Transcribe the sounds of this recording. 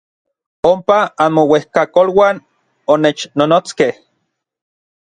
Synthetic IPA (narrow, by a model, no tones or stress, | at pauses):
ompaanmowehkakolwaːn | onet͡ʃnonot͡skeh